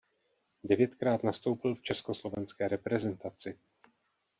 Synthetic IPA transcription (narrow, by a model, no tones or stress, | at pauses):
dɛvjɛt̪kɾaːt̪nast̪o̞wpɪlft͡ʃɛskoslovɛnskɛːɾɛpɾɛzɛnt̪at͡sɪ